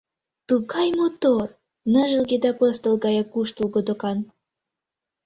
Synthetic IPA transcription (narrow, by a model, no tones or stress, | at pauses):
t̪uɣɑjmot̪or | nə̆ʒə̆lɡed̪ɑpɤst̪əlɡɑjɑkuʃt̪ulɣod̪okɑn